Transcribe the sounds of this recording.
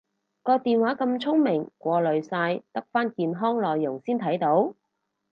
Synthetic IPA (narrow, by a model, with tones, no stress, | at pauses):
kɔː˧t̪iː˨nwaː˨˥kɐ˧mt͡sʰʊ˥ŋmɪ˨˩ŋkʷɔː˧lɵ˨ɥsaː˧jt̪ɐ˥k̚faː˥nkiː˧nɦɔː˥ŋlɔː˨jːʊ˨˩ŋsiː˥nt̪ʰɐ˨˥jt̪o˨˥w